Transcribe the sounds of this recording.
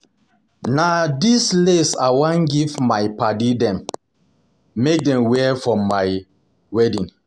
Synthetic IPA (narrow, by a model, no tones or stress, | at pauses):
nadislesawãnɡivmaɪpadidɛ̃m | mek̚dɛ̃mwɛfɹɔ̃mːaɪ | wɛdĩn